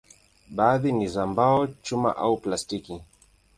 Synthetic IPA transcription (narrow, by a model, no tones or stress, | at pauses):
ɓaːðinizambaɔt͡ʃuma̰ʔauplastiki